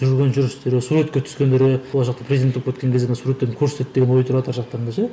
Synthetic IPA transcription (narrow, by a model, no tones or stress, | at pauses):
ʒʏɾɪɾɡʲe̞nʒʏɾɪsst̪eɾesuɾet̪̚kʲet̪ʰʏ̥skʲend̪e̞ɾewolˠʒɑqt̪ɑpʰrezid̪enopkʰet̪kʲeŋkʰʲezd̪ensuɾet̪ːed̪ɪŋkʲʰɵɾsɪ̥t̪et̪̚d̪eɡenwo̞jt̪ʰʊɾɑt̪əɾʒɑq̚t̪ɑɾnd̪eʃe